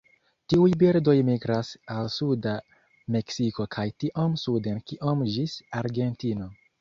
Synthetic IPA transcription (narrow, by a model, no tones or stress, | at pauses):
tiujbiɾdo̞jmiɡɾasalsuda | me̞ksiko̞kʰajtiʔomsude̞nkiʔomd͡ʒisaɾɡe̞ntino̞